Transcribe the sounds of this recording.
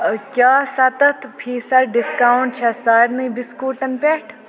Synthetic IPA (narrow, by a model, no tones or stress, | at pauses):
kjaːsɐt̪ɐt̪ʰpʰiːsɐɾɖɪskaːʊɳʈ̚t͡ʃʰɐsaːɾnibiskuːʈɐnpeːʈʰ